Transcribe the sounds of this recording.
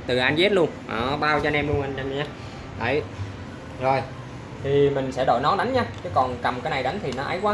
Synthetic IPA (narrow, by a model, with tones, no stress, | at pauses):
t̪ɨ˨˩ʔa˧jnzɛ˦˥t̚lu˧ənʔɔ̰ː˨˩ɓaː˧wt͡ɕɔ˧nɛ˧mlu˧əna˧na˧m˨ɲaː˧ | ɗ̪a̰ː˧˨˩j | zo˨˩j | t̪ʰi˨˩mï˨˩ŋ̟sɛ̰˧˥˩ɗo̰˧˨jnɔ˨˦ɗa˨˦ŋɲaː˧t͡ɕɨ˨˦kɔ˨˩nka˨˩mkaː˨˦jna˨˩jɗa˨˦ŋ̟t̪ʰi˨˩nɔ˨˦ʔa̰˨˦jkwaː˦